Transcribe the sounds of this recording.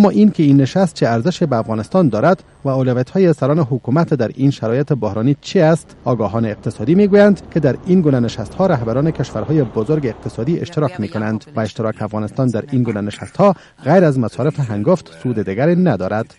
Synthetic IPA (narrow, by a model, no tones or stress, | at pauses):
amːɔʔinkeinːɪʃast̪̚t͡ʃeaɾzɪʃebaːfɣɒnɪst̪ɒnd̪ɒɾad̪ | vaʊlavjat̪hɔjesaɾɔnɪɦʊkumat̪d̪aɾinʃaɾɔjet̪ebohɾɔnit͡ʃʰiast̪ɒɡɒɦɒneːq̚t̪ɪsɔd̪imeɡujand̪ked̪aɾinɡunanɪʃast̪hɔɾaɦbaɾɔnekeʃʋaɾhɔjebozoɾɡeːq̚t̪ɪsɔd̪iɪ̰ʃt̪ɪɾɒkmekonand̪vaɪʃt̪ɪɾɒkeafɣɒnɪst̪ɔnd̪aɾinɡunanɪʃa̰st̪hɔ | ɣajɾazmasɒɾɪfeɦaŋɡoft̪sud̪ed̪iɡaɾenad̪ɒɾad̪̥